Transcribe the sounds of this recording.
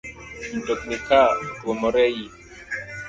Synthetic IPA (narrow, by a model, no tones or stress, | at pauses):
m̩tɔknikaɡɔmɔɾɛji